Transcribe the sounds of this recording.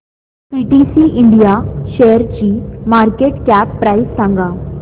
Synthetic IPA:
piʈisiːʔiɳɖijaɕejəɾt͡ɕiːmaɾkeʈkæpːɾaisːãŋɡa

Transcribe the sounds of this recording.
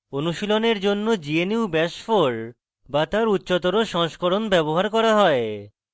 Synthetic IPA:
onuʃiloneɾd͡ʑonːod͡ʑieniwbɛʃfoɾ | bat̪aɾutːɕot̪oɾoʃɔŋʃkoɾonbɛboɦaɾkɔɾaɦɔe

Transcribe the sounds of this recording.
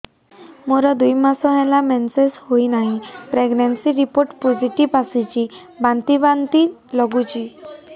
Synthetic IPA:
moɾəd̪ujmasɔ̃ɦɛ̃lamɛnseshoinaɦipɾeɡnensiɾipoɾʈpɔd͡ʑiʈiʋasit͡ɕi | bãnt̪ibãnt̪iːlɔɡut͡ɕiː

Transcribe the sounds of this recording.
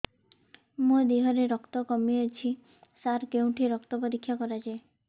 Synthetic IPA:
mũd̪iɦɔɾeɾɔkt̪ɔkɔmiet͡ʃʰi | saɾkeũʈʰiɾɔkt̪ɔpɔɾikʰːjakɔɾad͡ʒae

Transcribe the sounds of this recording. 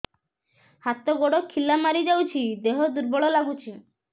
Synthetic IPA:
hat̪ɔɡoɽɔkʰːilamaɾid͡ʒawt͡ʃʰid̪eɦɔd̪uɾbɔɭɔlaɡut͡ʃʰi

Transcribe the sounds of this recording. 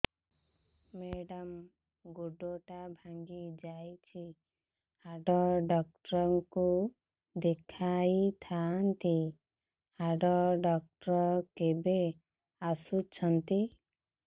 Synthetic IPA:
meɖam | ɡuɖoʈabʱaŋɡid͡ʒajt͡ʃʰi | aɖɔɖɔk̚ʈɾɔŋku | d̪ekʰajt̪ʰant̪i | aɖɔɖɔk̚ʈɾɔkebe | asut͡ʃʰɔnt̪i

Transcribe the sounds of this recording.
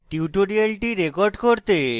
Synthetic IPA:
ʈiuʈoɾialʈiɾekoɾɖkoɾt̪e

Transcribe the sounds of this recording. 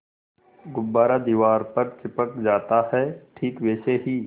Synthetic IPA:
ɡʊbːaːɾad̪iːʋaːɾpɐɾkʰɪpəkd͡ʒaːt̪aɦɛʈʰiːkʋeːʃeɦiː

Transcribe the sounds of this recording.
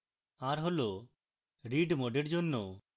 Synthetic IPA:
aɾɦolo | ɾiɖmoɖeɾd͡ʑonːo

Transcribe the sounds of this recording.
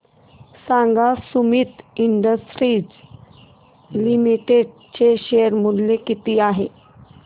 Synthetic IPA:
sãŋɡasumit̪iɳɖəsʈɾiːd͡z | limiʈeɖ | t͡ɕeɕeəɾmullekit̪iːaɦe

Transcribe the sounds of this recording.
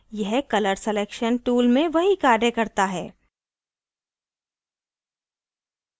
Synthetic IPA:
jɛɦkɐləɾseleːkʃənʈuːlmẽʋɐɦikaːɾɖẽkɐɾt̪aɦɛː

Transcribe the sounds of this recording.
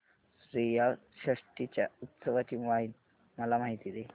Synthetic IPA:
sɾijaɕɾəʂʈit͡ɕja̰ut̪səʋat͡ɕiʋain | məlam̤aɦit̪id̪e

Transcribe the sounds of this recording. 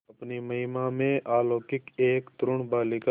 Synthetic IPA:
ɐpnimɐɦɪmamẽʔaːloːkɪkeːkt̪ɾʊɳbaːlɪka

